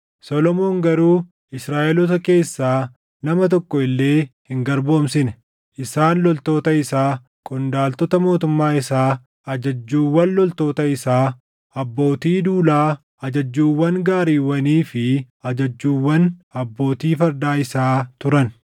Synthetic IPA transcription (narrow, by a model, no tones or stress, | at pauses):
sɔlɔmo̞ːŋɡɐɾuː | ɪsɾaːʔɛlɔt̪̬ɐke̞ːsːaː | nɐmɐt̪ɔkʼːɔɪlːe̞ːhɪŋɡɐɾbo̞ːmsɪnɛ | ʔɪsaːnlɔlt̪o̞ːt̪ɐɪsaː | kʼɔnd̪aːlt̪ɔt̪ɐmo̞ːt̪ʊmːaːɪsaː | ɐd͡ʒɐd͡ʒːuːwːɐnlɔlt̪o̞ːt̪ɐɪsaː | ɐbːo̞ːt̪iːd̪uːlaː | ɐd͡ʒɐd͡ʒːuːwːɐŋɡaːɾiːwɐniːfɪ | ɐd͡ʒɐd͡ʒːuːwːɐnɐbːo̞ːt̪iːfɐɾd̪aːɪsaːt̪ʊɾɐn